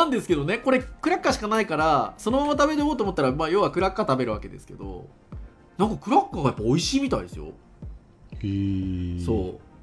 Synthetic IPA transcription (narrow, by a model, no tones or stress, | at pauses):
nãnd̪e̞sɨ̥ke̞d̪o̞ne̞ko̞ɾe̞kɯ̟ɾakːaɕi̥kanaikaɾaso̞no̞mamat̪abe̞ɾejo̞ːt̪oːmo̞t̪ːaɾamaːjo̞βakɯ̟ɾakːat̪abe̞ɾɯ̟βake̞d̪e̞sɨ̥ke̞̰d̪o̞̰ | nãŋkɑkɯ̟ɾakːaɡajapːaoiɕiːmʲit̪aid̪esɨ̰jo̰ | so̞ː